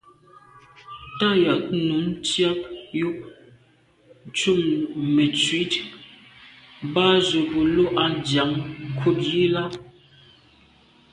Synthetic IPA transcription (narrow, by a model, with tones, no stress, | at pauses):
ta˦ja˨k̚nu˨˦n˦t͡sja˦p̚ju˦ʔ | n̩˦t͡ʃu˦˨ŋme˨t͡sɥi˨˦t | ba˦zo˨bo˨lo˦ʔa˦dja˨˦ŋ˨kʰu˦t̚ji˦la˦